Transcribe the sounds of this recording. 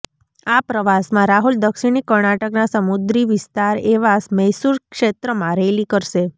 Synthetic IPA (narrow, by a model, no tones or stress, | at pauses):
apɾəʋasmãɾaɦuld̪əkʃiɳ̃ikəɾɳaʈəknasəmud̪ɾiʋɪst̪aɾeʋasmɛsuɾkʂet̪ɾəmãɾɛlikəɾʃe